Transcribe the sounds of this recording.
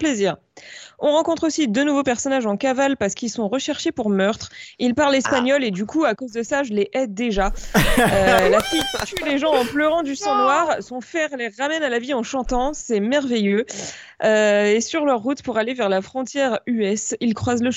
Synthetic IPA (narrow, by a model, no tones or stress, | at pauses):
pleziːʁ | ɔ̃ʁɑ̃kɔ̃t̪χosid̪ønuvopɛʁsɔnaʒɑ̃kavalpaʁsə̥kilsɔ̃ʁəʃɛʁʃepuʁmœʁt̪χilpaʁlɛspaɲɔled̪ykuakozd̪əsaʒəleʔɛd̪eʒaølafit̪yeleʒɑ̃ɑ̃plœʁɑ̃d̪ysɔ̃nwaʁsɔ̃fɛʁleʁːamɛnalaviɑ̃ʃɑ̃t̪ɑ̃sɛmɛʁvejø | øesyʁlœʁːut̪puʁalevɛʁlafχɔ̃t̪jɛʁyɛsilkχwazləʃ